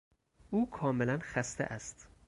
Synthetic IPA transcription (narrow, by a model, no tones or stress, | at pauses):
ʔuːkʰɒːmelænxæst̪eʔæst̪